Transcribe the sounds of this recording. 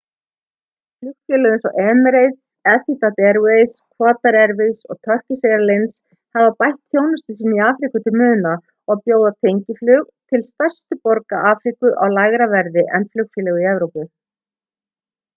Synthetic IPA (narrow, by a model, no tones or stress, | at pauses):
flʏkfjɛlɛɣɪnsɔʔɛːmɾejt̪sɛθit̪at̪ɛɾwejskʰvaːt̪aɾɛɾvɪsɔɣt̪ʰœr̥cɪsejɾalejns | havapajht̪ːʰjoːwnʏst̪ɪsɛmiaːfɾikʏt̪ʰɪlmʏːðʏna | ɔɣpjoːwðat̪ʰejɲcɪflʏːɣt̪ʰɪlst̪ar̥st̪ʏpɔɾkaʔaːfɾikʏʔawlaɣɾavɛɾðɪʔɛnflʏkfjɛːlɛɣʏiɛvɾowpʏ